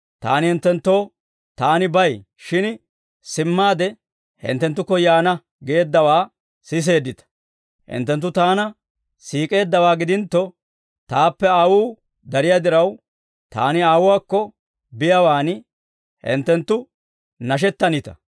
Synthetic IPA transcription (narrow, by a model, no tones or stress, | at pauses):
t̪a̰ːnɪhɪnt̪ːɛnt̪ːo̞ː | t̪aːnɪbɐj | ʃɪn | sɪmːaːd̪ɛ | hɪ̰nt̪ːɛnt̪ːʊkːɔjaːnɐ | ɡe̞ːd̪ːɐwaː | sɪs̬e̞ːd̪ːɪt̪ɐ̥ | hɪ̰nt̪ːɛnt̪ːʊt̪aːnɐ | siːkʼe̞ːd̪ːɐwaːɡɪd̪ɪnt̪ːɔ | t̪aːpːɛaːwuː | d̪ɐɾɪjaːd̪ɪɾɐw | t̪a̰ːnɪaːwʊwaːkːɔ | bɪjɐwaːnɪ | hɪ̰nt̪ːɛnt̪ːʊ | nɐʃ̬ɛt̪ːɐnɪt̪ɐ̥̰